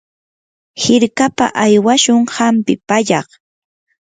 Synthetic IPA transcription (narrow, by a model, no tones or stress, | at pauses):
hɪɾkapa̰ʔajwaʃʊŋhampɪpaʎɑχ